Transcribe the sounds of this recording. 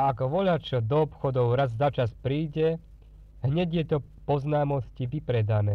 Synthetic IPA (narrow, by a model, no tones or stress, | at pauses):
akɔʋɔʎat͡ʃɔd̪ɔɔpxɔd̪ɔʊɾazzat͡ʃaspɾiːɟɛ | ɦɲɛɟɪjɛt̪ɔ | pɔznaːmɔsciʋipɾɛd̪anɛː